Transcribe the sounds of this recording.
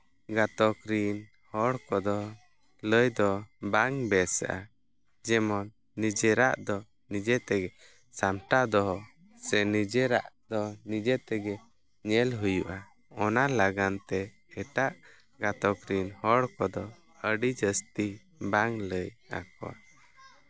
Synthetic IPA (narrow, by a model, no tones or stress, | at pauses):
ɡat̪ɔkɾin | hɔɽkɔd̪ɔ | ləjd̪ɔbaŋbɛsa̰ʔa | d͡ʒɛmɔnː | id͡ʒɛɾaʔd̪ɔ | nid͡ʒɛt̪ɛɡɛ | samʈad̪ɔɦɔ | sɛnid͡ʒɛɾa̰ʔd̪ɔnid͡ʒɛt̪ɛɡɛ | ɲɛlɦujuʔa | ɔnalaɡant̪ɛː | ʈaʔ | ɡat̪ɔkɾinhɔɽkɔd̪ɔ | əɖid͡ʒəst̪i | baŋləja̰kɔ̰ʔa̰